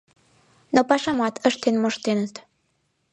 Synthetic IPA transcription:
nopɑʃɑmɑt̪əʃt̪enmoʃt̪enət̪

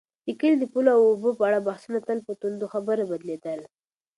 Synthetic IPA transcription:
ikəld̪əpulawʊbopəaɽabahsunat̪əlpət̪und̪oxabəɾabad̪led̪əl

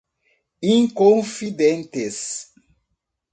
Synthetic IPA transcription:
ĩŋkõfid̪ẽnt̪ɪs

